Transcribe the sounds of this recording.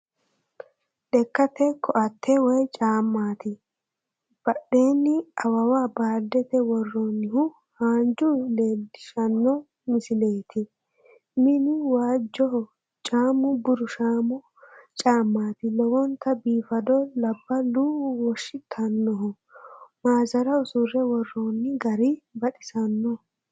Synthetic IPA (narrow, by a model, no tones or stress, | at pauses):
ɗɛkːɐt̪ɛkʰɔʔɐt̪ʰːɛwɔjt͡ʃʼaːmːaːt̪ɪ | b̥ɐɗeːnːɪɐwɐwaːbaːd̪ːɛt̪ɛwɔrːɔnːɪhʊ | haːnd͡ʒʊleːdɪʃɐnːɔ | mɪsɪleːt̪ʰɪ | mɪnɪwaːd͡ʒːɔhɔ | t͡ʃʼaːmʊbʊɾʊʃaːmʊ | t͡ʃʼaːmːaːt̪ɪlɔwɔnt̪ʰːɐbiːfɐd̪ɔlɐbːɐluːwɔʃːɪt̪ʰːɐnːɔɦɔ | maːzɐɾɐʊsʊrːɛwɔrːɔnːɪɡɐɾɪbɐɗɪsɐnːɔ